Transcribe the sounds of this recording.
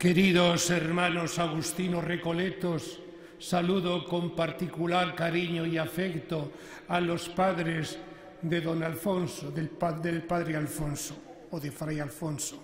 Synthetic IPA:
ke̞ɾiðoseɾmãno̞saɣust̪inorekolet̪osː | aluðoko̞mpaɾt̪ikulaɾkaɾiɲoiafekt̪o | alo̞spaðɾez | ðeðo̞nalfonsoðelpaðelpaðɾealfonsoː | ðefɾajalfonso̥

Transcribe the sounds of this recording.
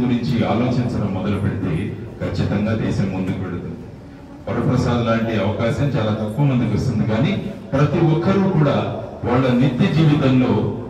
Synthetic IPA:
ɡuɾiɲt͡ʃiaːlo̞ːt͡ʃint͡ʃɐnɐmːɔd̪ɐlupe̞ɽit̪ḛːkʰɐt͡ʃːit̪ɐŋɡaːd̪ɛːsɐmːund̪ukuʋeɽut̪und̪i | pɐɾɐpɾɐsaːd̪ulaːɳʈiɐʋɐkaːʃɐmt͡ʃaːlaːt̪ɐkːuʋɐmund̪ukɐst̪und̪ikaːniːpɾɐt̪iʋɔkʰːɐɾukuːɽaːʋaːɭːɐnit̪ːid͡ʒiːʋit̪ɐmlo̞ː

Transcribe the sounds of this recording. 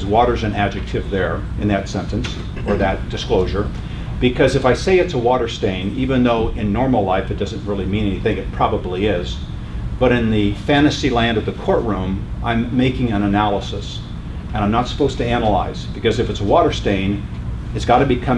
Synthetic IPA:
zwɔɾə˞zɨ̃næd͡ʒɨk̚tʰɨvðə˞ | ɨ̃nðɨtsɛ̃ntɨ̃ns | ə˞ðɨt̚d̥ɨskloʊʒə˞ | b̥ɨkʰʌzɨfaɪseɪɨtsəwɔɾə˞stẽɪ̃nivɨ̃nðoʊʔɪ̃nːɔɹml̩ˠlaɪfɨt̚d̥ʌzɨ̃nʔ̚ɹɪlˠimĩñɛniθɪ̃ŋkɨt̚pʰɹ̥ɑbəbliɪz | b̥ʌɾɨ̃nðɨfæ̃ñɨsilæ̃ndʌvðɨkʰɔɹʔɹũmʔã̰ɪ̃mːeɪkɪ̃ŋɨ̃nɨnælˠəsəs | ɨ̃ñãɪ̃mnətsə̥poʊz̥tʰɨænəla̰ɪz̥b̥ɨkʌzɨfɨtsəwɔɾə˞stẽɪ̃nɨtsɡ̥ɑɾɨbɨkʰʌ̃

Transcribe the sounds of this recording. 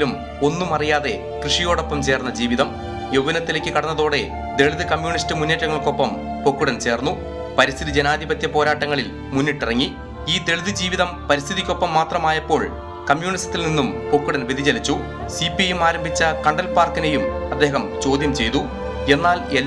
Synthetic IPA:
lum | o̞nːumɐrijaːðe̞ | krɨʂijo̞ːɽo̞pːɐmt͡ɕe̞ːrnːɐd͡ʑiːʋiðɐm | jowʋɐnɐt̪ːilekʲːɨkɐɽɐnːɐðo̞ːɽe̞ | d̪e̞ɭuðɨkɐmjuːɳistɨmunːe̞ːʈːɐŋːɐɭko̞pːɐmpokːuɽɐnt͡ɕe̞ːrnːu | pɐɾist̪ʰiðid͡ʑenaːd̪ʱibɐt̪jɐpo̞ːɾaːʈːɐŋːɐɭil | munːiʈːirɐŋːi | iːd̪e̞ɭðɨd͡ʑiːʋiðɐmpɐɾist̪ʰiðikʲːo̞pːɐmːaːt̪rɐmaːjɐpːo̞ːɭ | kɐmjuːɳist̪ːilninːumpo̞kːuɽɐnʋid̪ʱit͡ɕɐlit͡ɕːu | sipiejumaːɾɐmbʱit͡ɕːɐkɐɳɖɐlpaːrkinejumɐd̪ːeːɦɐmt͡ɕo̞ːd̪ʱjɐmt͡ɕe̞jt̪u | e̞nːaːlelː

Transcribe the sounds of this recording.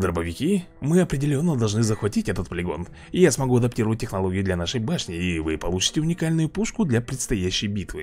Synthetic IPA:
d̪əɾəbəvʲɪkʲi | mɨɐpɾʲɪdʲɪlʲo̞nːəd̪ɐlˠʐnɨzəxvɐtʲitʲɛt̪ət̪pəlʲɪɡo̞̰n | ɪjasmɐɡuɐd̪ɐptʲiɾəvət̚ʲːɪxnɐlˠoɡʲɪjʊd̪lʲɐnaʂɨjbaʂnʲɪːvɨpɐlˠut͡ɕɪ̥tʲɪʊnʲɪkalʲnʊjʊpuʂkʊd̪lʲɐpɾʲɪt̪st̪ɐjæɕːɪjbʲit̪vɨ̰

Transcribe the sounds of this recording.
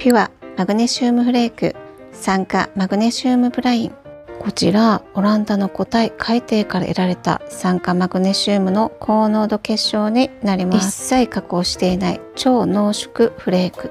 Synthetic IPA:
ɸʲiβamaɡɯ̟ne̞ɕɨːmɯ̟ɸɯ̟ɾe̞ːkɯ̟̰ | sãŋka̰maɡɯ̟ne̞ɕɨːmɯ̟bɯ̟ɾaĩŋko̞t͡ɕḭɾao̞ɾãnd̪ano̞ko̞t̪aikʰait̪e̞ːkaɾa̰ʔḛɾaɾe̞t̪a̰sãŋkamaɡɯ̟ne̞ɕɨːmɯ̟no̞kʰo̞ːno̞ːd̪o̞ke̞ɕːo̞ːɲ̟inaɾʲimaisaikakɯoːɕi̥t̪e̞inaḭt͡ɕo̞ːno̞ːɕo̥kɯ̟ɸɯ̟ɾe̞ːkɯ̟

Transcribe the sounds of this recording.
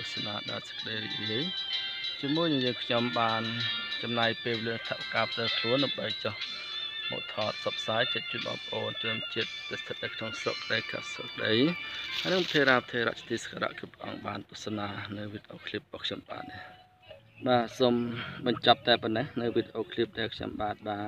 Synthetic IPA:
t̪ŭəsanaːɗaɛlsə̥kəɗəjɾḭʔriəj | t͡ɕiəmuəjnɨjəːŋkʰɲomɓaːnt͡ɕɑmnajpeːlwʋeliəʔsat̪ʰaʔʋakaːpʰt̪ɛːkʰluənɗaəmɓəjt͡ɕoh | mo̰ːt̪ʰɑːt̪̚sɑp̚saːjt͡ɕiət̪̚t͡ɕiət̪̚ɓɑ̰ːmpəʔoːnt̪rɔənt͡ɕiət̪̚ːɨst̪ʰət̪̚ʔakʰnoŋsro̰kːəɗəːka̰ːsro̰kəɗəjhajnɨŋpt̪ʰeːɾaːp̚t̪ʰeːɾa̰ʔt͡ɕḁt̪ʰiːskʰaɾa̰ʔkupːrɛ̆ʔɑ̰ŋɓaːnt̪uəsanaːnɨwʋit̪ʔoːkʰlip̚ɓɑːkʰɲomɓa̰ːt̪̚ni | ɓaːsoːmɓɑɲt͡ɕɑp̚t̪aɛpɔnːehnɨwʋit̪ʔoːkʰlip̚ɗaɛlkʰɲo̰mɓaːt̪̚ɓaː

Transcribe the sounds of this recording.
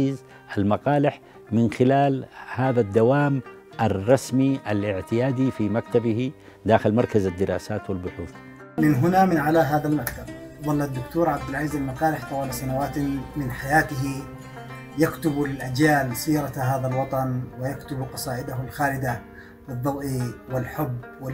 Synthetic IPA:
iːz | ʔalmɑqɑːlɪħ | mɪnxɪlaːlhaːðad̪ːawaːm | ʔarˤːɑsmiʔalɪʕt̪ɪjaːd̪ifimakt̪abɪhi | d̪aːxɪlmɑɾˤkazad̪ːɪɾˤɑ̰ːsaːt̪wɪlbʊħuːθ | mɪnɦʊnamɪnʕalaɦaːðalmakt̪ab̚ðˤɑlːad̪ːʊkt̪uːɾˤʕab̚d̪ɪlʕiːzalmaqaːɾɪħt̪awaːlasanawaːt̪mɪnħajaːt̪ɪɦi | jakt̪ʊbalʔad͡ʒjaːlsiːɾɑɦaːðalwɑt̪ˤɑnwɪjakt̪ʊbqɑsˤɑːʔɪd̪aɦʊlxaːlɪd̪a | ɪðˤːɑbʔiwɪlħʊbːwɪ

